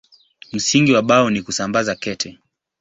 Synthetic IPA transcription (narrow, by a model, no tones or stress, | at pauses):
m̩siŋɡiwaɓaɔnikusambazakɛtʰɛ